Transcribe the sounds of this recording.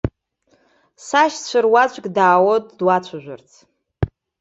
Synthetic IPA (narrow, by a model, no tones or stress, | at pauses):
saʃt͡ɕʷʰɨrwat͡ɕʷʼkʼdaːwotʼdwat͡ɕʷʰaʒᶣʷa̰rt͡sʰ